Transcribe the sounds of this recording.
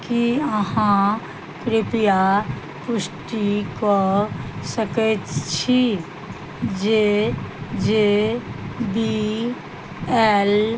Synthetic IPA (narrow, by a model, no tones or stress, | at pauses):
kiəɦã | kɾepija | pʊsʈikosəkətt͡ʃʰi | d͡ʒe | d͡ʒe | bi | ɛl